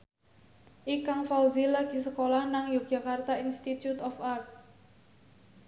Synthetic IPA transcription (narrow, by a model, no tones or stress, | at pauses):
ʔikaŋfawzilaɡ̥i̤səkolahnaŋjo̥ʒ̥a̤kart̪ainst̪it̪jut̪ɔfart̪̚